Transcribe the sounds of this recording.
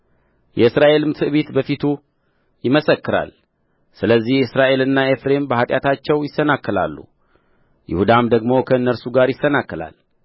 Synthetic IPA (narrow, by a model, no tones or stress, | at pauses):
jɛɨsɾaʔe̞lɨmt̪ʰɨʔβit̪bəfit̪ʰu | jɪməsəkːɨɾa̰l | sɨləzːihɨsɾaʔe̞lɨnːae̞fɾe̞mbəhat̪ʼjat̪ʰat͡ʃːɛwjɪsːənakːəla̰lːṵ | jɪ̰hud̪amd̪əɡmo̞kʰəɨnːəɾsuɡaɾjɪsːənakːəla̰l